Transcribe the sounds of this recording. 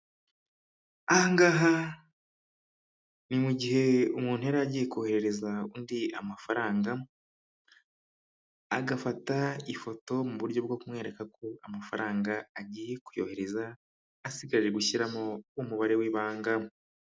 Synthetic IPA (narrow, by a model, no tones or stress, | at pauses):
ahaŋɡaɦa | nimuɟiɦe̞umuːnhuheaɾaːɟijekuohe̞ɾe̞ɾe̞zaundia̰mafaɾaːŋɡa | aɡafataifo̞to̞muβuɾɟo̞bɡo̞kumŋe̞ːɾe̞kako̞amafaɾaːŋɡaaɟije̞kujo̞he̞ɾe̞zaː | siɡaɾiɾe̞ɡuçiɾamoumuβaɾe̞wiβaːŋɡa